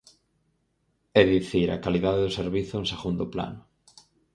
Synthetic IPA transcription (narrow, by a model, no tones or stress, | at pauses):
eðiθiɾa̰kaliðaðeðʊseɾβiθʊnseɣund̪ʊpla̰nʊ